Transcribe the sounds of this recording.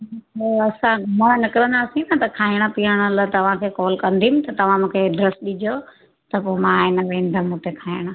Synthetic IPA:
oɐsãmənɪkɪɾə̃nd̪aːsĩnɐt̪ɐkʰaːiɽ̃̆piəɽ̃ələt̪ɐʋ̤ãkʰeːkɔːlkɐ̃nd̪ʱiumɪ̆t̪ɐt̪ɐʋ̤ãmũːkʰeɖɾesɗid͡ʑo | t̪ɐpoːmãːɪnəʋẽːn̆d̪əmũːt̪ekʰaːiɽ̃ə

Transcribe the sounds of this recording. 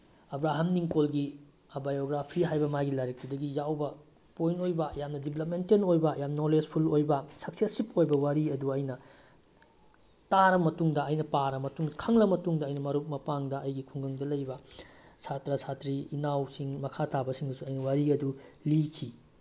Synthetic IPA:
ɐbɾaɦɐmniŋkolɡi | abajoɡɾapʰiɦajbɐmajɡilaɾek̚tudɐɡijawbɐ | pojnojbɐjamnɐdiblɐp̬̚mentenojbɐjamnoled͡ʒpʰulojbɐsɐk̚sesip̚ojbɐwaɾiɐduɐjnɐ | taɾɐmɐtuŋdɐɐjnɐpaɾɐmɐtuŋkʰɐŋlɐmɐtuŋdɐɐjnɐmɐɾuk̚mɐpaŋdɐʔɐjɡikʰuŋɡɐŋdɐlɐjbɐsatɾɐsatɾiːnawsiŋmɐkʰatabɐsiŋdusuɐjnɐwaɾiɐdulikʰi

